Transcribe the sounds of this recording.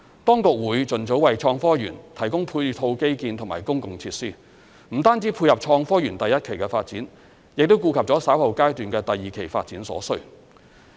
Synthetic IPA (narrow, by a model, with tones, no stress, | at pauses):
t̪ɔː˥ŋkʊ˨k̚wuː˨˥jt͡sɵ˨nt͡so˨˥wɐ˨jt͡ʃʰɔː˧ŋfɔː˥jy̰ː˨˩nt̪ʰɐ˨˩jkʊ˥ŋpʰuː˧t̪ʰo˧wke˥jkiː˧nt̪ʰʊ˨˩ŋmaː˨˩jkʊ˥ŋkʊ˨˩ŋt͡sʰiː˧t̚siː˥ | m̩˨˩t̪aː˥nt͡siː˨˥pʰuː˧jɐ˨p̚t͡ʃʰɔː˧ŋfɔː˥jyː˨˩nt̪ɐ˨jɐ˥t̚kʰe˨˩jkɛː˧fa̰ː˧t̚t͡siː˨˥n | jɪ˨k̚t̪o˥wkuː˧kʰɐ˨p̚ɔː˨˥saː˨˥whɐ˨˧wkaː˥jt̪yː˨nkɛː˧t̪ɐ˨jːiː˨˩kʰe˨˩jfaː˧t̚t͡siː˨˥nsɔ̰ː˨˥sɵ˥